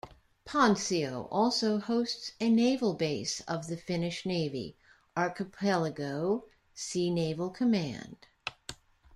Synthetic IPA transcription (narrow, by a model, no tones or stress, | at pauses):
pʰɑ̃nsioʊʔɔlˠsoʊhoʊstsɨneɪvl̩ˠbeɪsʌvðɨfɪ̃nɨʃneɪvḭ | ʔɑɹkɨpʰɛlˠəɡoʊ | sineɪvl̩ˠkʰɨmæ̰̃nd̥